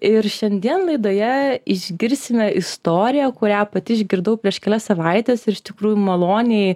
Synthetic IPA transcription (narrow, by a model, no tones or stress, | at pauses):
ɪɾʃʲɛnʲd̪ʲiɛnlˠɐɪd̪oːjɛɪʒʲɡʲɪɾʲsʲɪmʲɛɪst̪oːɾʲɪjækʊɾʲæːpɐt̪ʲɪɪʒʲɡʲɪɾd̪ɐʊpʲɾʲiɛʃkʲɛlʲɛsɐʋɐɪt̪ʲeːsɪɾɪʃt̪ʲɪkɾuːjumɐlˠoːnʲɛɪ